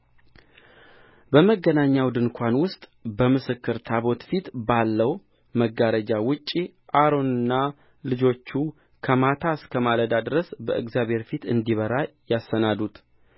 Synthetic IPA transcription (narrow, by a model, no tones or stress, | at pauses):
bəməɡːənaɲːawd̪ɨnkʰʷanwʊst̪ʼbəmɨsɨkːɨɾt̪ʰaβo̞t̪fit̪balːəw | məɡaɾəd͡ʒawʊt͡ʃʼːi | ʔaɾo̞nɨnːa | lɨd͡ʒo̞t͡ʃːu | kʰəmat̪ʰaskʰəmaləd̪ad̪ɨɾəsbəʔɨɡzjaβhe̞ɾfit̪ɨnd̪iβəɾajasːənad̪ut̪